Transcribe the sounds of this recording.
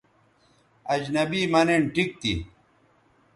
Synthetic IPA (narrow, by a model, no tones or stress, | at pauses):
ɐd͡ʑnɐbiːmɐneɳʈik̚t̪ḭ